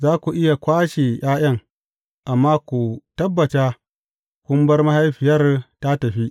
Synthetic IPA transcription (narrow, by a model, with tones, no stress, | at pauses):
zaː˦kʷu˨ʔɪ˦ja˨kʷaː˦ʃe˨j̰aː˦j̰ɐ˦˨ŋ | ʔa˨mːaː˦kʷu˨tɐ˦bːɐ˨ta˦ | kʷʊ˦mbɐ˦rmɐ˦ha˦jɸɪ˨jɐ˦rta˦tɐ˨ɸi˦ʔ